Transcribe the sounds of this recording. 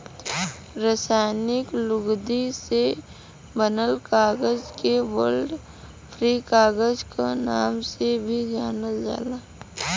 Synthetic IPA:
ɾəsaːnɪklʊɡd̪ise | bənəlkaːɡəd͡ʒkeʋəlɖ | pʰɾikaːɡəd͡ʒkanaːmsebʱid͡ʒaːnəd͡ʒa̰ːlaː

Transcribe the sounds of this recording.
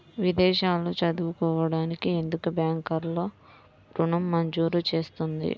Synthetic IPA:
ʋid̪ɛːʃaːlut͡ʃɐd̪uʋukɔːʋɐɽaːnikie̞nd̪ukubjaːŋkɐɾlo̞ː | bɾuɳɐmːɐɲd͡ʒuːɾut͡ʃe̞ːst̪und̪ḭ

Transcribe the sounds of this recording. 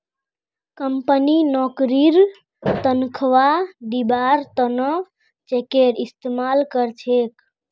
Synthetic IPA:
kəmpəninɔkɾiɾ | t̪ənkʰʋad̪ibaɾt̪ənə | t͡ʃekeɾist̪emalkəɾt͡ʃʰek

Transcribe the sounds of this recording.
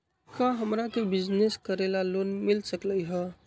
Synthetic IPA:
kaɦəmɾakebɪd͡ʒneskəɾelalonmilsəkləjɦɛ

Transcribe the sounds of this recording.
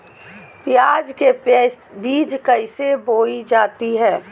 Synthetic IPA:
pɪjaːd͡ʒkebiːd͡ʒkəɪseboːid͡ʒaːt̪iɦɛː

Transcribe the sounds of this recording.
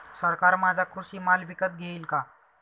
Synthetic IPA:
səɾkaɾmad͡zʱakʰusiːmalʋikət̪̚ɡʱeilka

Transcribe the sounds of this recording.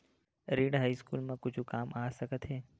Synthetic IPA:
ɾiɖɦaiskulmãkʊt͡ʃʰũkamʔasəkət̪ʰɦe

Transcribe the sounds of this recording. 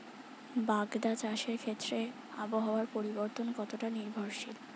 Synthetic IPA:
baɡd̪at͡ɕaʃeɾkʰet̪ːɾe | aboɦaoaɾpoɾiboɾt̪onkɔt̪oʈaniɾbʱoɾʃil

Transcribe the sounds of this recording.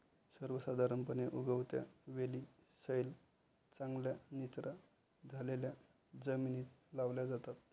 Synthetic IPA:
səɾʋəsad̪ʱaɾəmpəneʔuɡəwt̪ja̰ʋeliː | səjl | t͡sãŋɡljanit̪ɾʔa | d͡zʱalelja | d͡zəminiːt̪laʋljad͡zat̪at̪

